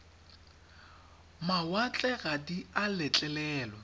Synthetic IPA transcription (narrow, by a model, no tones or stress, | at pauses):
mawat͡ɬʼɛɣadialɛt͡ɬʼɛlɛːlɔ